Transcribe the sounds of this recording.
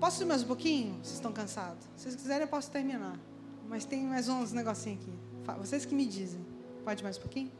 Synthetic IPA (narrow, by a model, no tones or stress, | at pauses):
pɔsʊiɾmajzũpokĩɲʊosest̪ɐ̃w̃kɐ̃sad̪ʊseskizɛɾẽpɔsʊ̥t̪eɾminaɾ | mɐjst̪ẽj̃majzũzneɡɔsĩɲ̃ɐaki | fa̰voseskɪmɪd͡ʒizẽj̃ | pɔd͡ʒɪmajzũpokĩɲʊ